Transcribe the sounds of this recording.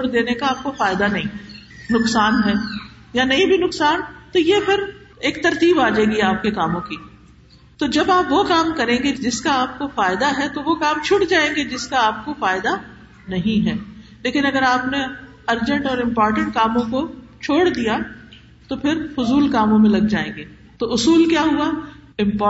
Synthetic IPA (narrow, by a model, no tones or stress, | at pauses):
oːɽd̪eːnekaaːp̚kofaːɪd̪anɐɦĩnʊqsaːnɦɛː | janɐɦĩbʱinʊksaːnt̪ojepʰɪɾ | eːk̚t̪ɐɾt̪iːbaːd͡ʒaeːɡiaːp̚kekaːmõki | t̪od͡ʒɐbaːpʋokaːmkɐɾẽːŋɡed͡ʒɪskaaːp̚kofaːɪd̪aɦɛt̪oʋokaːmt͡ʃʰʊʈd͡ʒaːẽːŋɡed͡ʒɪskaaːp̚kofaːɪd̪a | nɐɦĩɦɛːleːkɪnɐɡəɾaːpne | ɐɾd͡ʒə̃ɳʈɔːɾɪ̃mpɔːɾʈə̃ɳʈkaːmõko | t͡ʃʰoːɽd̪ija | t̪opʰɪɾfʊzuːlkaːmõmẽlɐɡd͡ʒaːḛ̃ːŋɡeː | t̪oʊsuːlkjaːɦuaɪ̃mpː